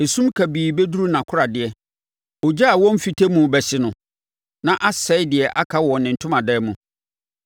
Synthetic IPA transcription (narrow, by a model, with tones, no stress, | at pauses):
e˨sũ˦mkʰæ˨biː˨bɛ˦du˦ɾu˦nã˨kʰʊ˦ɾa˨dɪ˨ɛ˨ | ɔ˨d͡ʑa˦a˨wɔ̃˦m̩˦fi˨tʰe˦mũ˨bɛ˨sɪ˨nʊ̃˨ | nã˨ʔa˦sɛ˦ɪ˦dɪ˨ɛ˨ʔa˦kʰa˦wɔ̃˨nːɪ̃˨n̩˨tʰʊ̃˦mã˨dɛː˦mũ˨